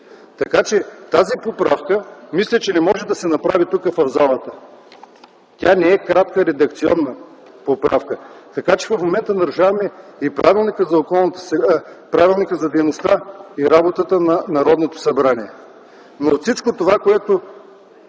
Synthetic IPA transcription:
t̪ɐkat͡ʃɛt̪azipopɾafkəmislʲɐt͡ʃɛnɛmɔʒɛd̪ɐsɛnɐpɾavit̪ukəfɐvzalˠət̪ə | t̪ʲanɛɛkɾat̪̚kəɾɛd̪ɐkt̪siɔnːə | popɾa̰fkət̪ɐkat͡ʃɛ̥vɐfmomɛnt̪ənɐɾuʒavɐmɛipɾavilˠnikəzɐokɔlˠnɐt̪ə̥sɛpɾavilˠnikəzɐd̪ɛjnost̪aiɾabot̪ət̪ənɐnɐɾɔd̪not̪o̥sɐbɾaniɛ | not̪sit͡ʃkot̪ovakoɛt̪o

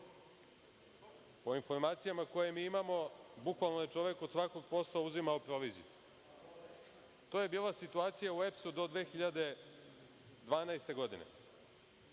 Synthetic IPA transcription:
po̞info̞ɾmaːt̪sijamako̞jemiːimamo̞bukʋalˠnoje̞t͡ʂo̞ʋe̞ko̞d̪sʋako̞ɡpo̞slˠauzimaopɾo̞ʋiːzḭju | t̪oːje̞biːlˠasit̪uaːt̪sijauepsud̪o̞d̪ʋe̞ːxiʎad̪e̞ | d̪ʋaːnaest̪e̞ɡo̞d̪ine̞̰

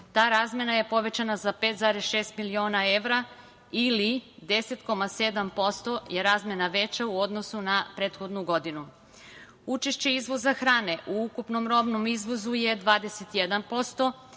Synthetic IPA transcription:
t̪aːɾaːzmʲje̞naje̞po̞ʋe̞t͡ɕanazapet̪zaɾesʃe̞ːst̪milio̞ːnae̞ʋɾa | ilid̪e̞set̪ko̞mase̞d̪ampo̞st̪o̞je̞ɾaːzmje̞naʋe̞t͡ɕauo̞d̪no̞sunapɾe̞ːt̪xo̞d̪nuɡo̞d̪inu | ut͡ʃe̞ʃt͡ɕeizʋo̞zaxɾaːne̞ʔuukupno̞mɾo̞bno̞mizʋo̞zujed̪ʋaːd̪eset̪jed̪anpo̞st̪o̞

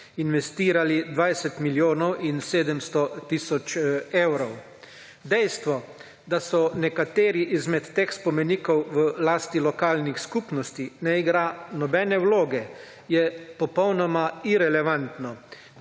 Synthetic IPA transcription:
inʋɛst̪iːɾalid̪ʋajsɛt̪miljoːnɔwʔinseːd̪ɛmst̪ɔt̪iːsɔt͡ʃewɾɔw | d̪ɛjst̪ʋɔ | d̪asɔnɛkat̪eːɾiʔizmɛt̪ːeːxspɔmɛniːkɔwʋəlaːst̪ilɔkaːlnixskuːpnɔst̪inɛiɡɾaːnɔbɛːnɛwloːɡɛ | jɛpɔpɔwnɔmaiɾɛlɛʋant̪nɔ

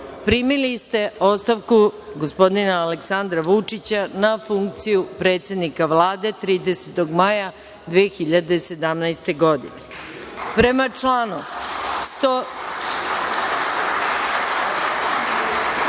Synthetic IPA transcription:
pɾimilist̪e̞ost̪aʋkuɡospo̞d̪inaːleksand̪ɾaʋut͡ʂit͡ɕanafuŋk̚t̪sijupɾe̞ːt̪se̞d̪nikaʋlˠaːd̪e̞t̪ɾiːd̪e̞set̪o̞ɡmaja | d̪ʋeːxiʎad̪e̞se̞d̪amnajst̪e̞ɡo̞d̪ḭnepɾe̞mat͡ʂlaːnust̪o

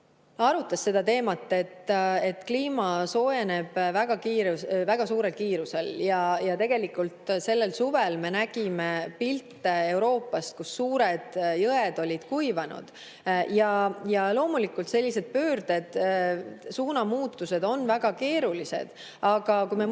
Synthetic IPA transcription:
ɑɾut̪ːˑɑsːe̞d̪̥ɑt̪e̞ːmɑt̪ːˑe̞t̪ːe̞t̪ːkliːmɑso̞ene̞b̥væɡ̥ɑkiːɾuvæɡ̥ɑsuːɾe̞lkiːɾuse̞ljɑjɑt̪e̞ɡ̥e̞likult̪se̞lːe̞lsuvelme̞næɡ̥imepilt̪ːee̞wɾo̞ːpːˑɑst̪̚kusːuːɾed̪̥jɤed̪o̞lʲid̪̥kujvɑnṵd̪̥ | jɑjɑlo̞ːmulikːˑult̪se̞lʲːise̞d̪̥̚pøːrd̪̥e̞d̪̥ | suːnɑmuːt̪ːˑuse̞d̪o̞nːvæɡ̥ɑke̞ːɾulise̞̰d̪̥ | ɑɡ̥ɑkujme

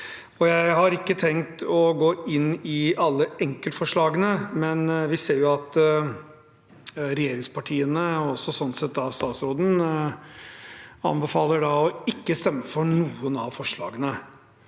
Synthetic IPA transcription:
ɔjæɪɦɑɾɪkːət̪ʰɛŋt̪ɔɡoːɪnːɪɑlːəɛŋkəlt̪fɔʂɭɑːɡənəmɛnʋɪseːɾjʊɑt̪ | ɾɛjeːɾɪŋspʰɑʈʰiːənəɔsɔsɔnsɛt̪ːɑst̪ɑːt̪sɾoːd̪n̩ | ɑ̰nbəfɑːləɖɑɔɪkːəst̪ɛmːəfɔɳuːənɑʋfɔʂɭɑ̰ːɡənə

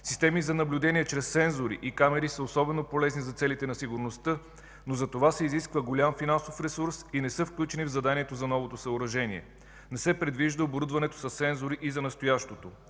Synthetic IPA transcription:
sist̪ɛmizɐnɐblʲud̪ɛniɛt͡ʃɾɛst̪ːsɛnzoɾḭʔikamɛɾisəosɔbɛnopolɛznizɐt̪sɛlit̪ɛnɐsiɡʊɾnost̪ɤ | nozɐt̪ovasɛiziskvəɡolʲamfinansofɾɛsuɾsinɛsɤfklʲut͡ʃɛnivzɐd̪aniɛt̪ozɐnɔvot̪osɐoɾɐʒɛniɛ̰ | nɛsɛpɾɛd̪viʒd̪əoboɾud̪vɐnɛt̪o̥sɐssɛnzoɾiʔizɐnɐst̪ojaʃt̪ot̪o

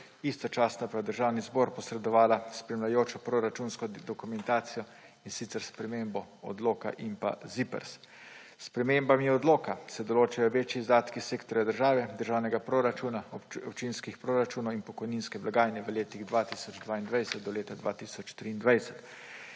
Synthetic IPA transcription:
ist̪ɔt͡ʃaːsnapajd̪əɾʒaːwnizbɔɾpɔsɾɛd̪ɔʋaːlaspɾɛmlajoːt͡ʃɔpɾoɾat͡ʃunskɔd̪ɔkumɛnt̪aːt̪sijɔ | insit̪sɛɾspɾɛmembɔɔ̰d̪loːka̰ʔimpa̰zipɛ̰ɾs | spɾɛmembamjɛɔd̪loːkasɛd̪ɔloːt͡ʃajɔʋeːt͡ʃjiːzd̪aːt̪kiseːkt̪ɔɾjad̪əɾʒaːʋɛd̪əɾʒaːwnɛɡapɾoɾat͡ʃunaɔpt͡ʃinskixpɾoɾat͡ʃuːnɔwinpɔkɔjninskɛblaɡaːjnɛʋəleːt̪iɣd̪ʋat̪isɔd͡ʒd̪ʋaːind̪ʋajsɛt̪̚d̪ɔleːt̪ad̪ʋa̰ːt̪iːsɔt͡ʃt̪ɾiːnd̪ʋajsɛt̪

